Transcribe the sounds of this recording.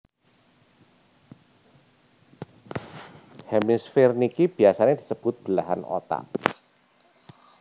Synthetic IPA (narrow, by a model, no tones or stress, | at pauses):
hɛmisfernikib̥i̤asaned̪̥isəb̥ʊt̪̚b̥əlaɦano̰t̪a̰ʔ